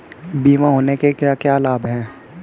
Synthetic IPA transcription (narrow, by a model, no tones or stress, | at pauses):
biːmãɦoːnekekakjaːlaːbɦɛ̃ː